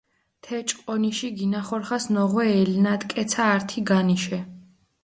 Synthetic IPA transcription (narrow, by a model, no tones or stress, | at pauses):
t̪ʰɛt͡ʃʼqʼɔniʃiɡinaχɔɾχasnɔʁwɛːlnat̪ʼkʼɛt̪sʰaːɾt̪ʰiɡaniʃɛ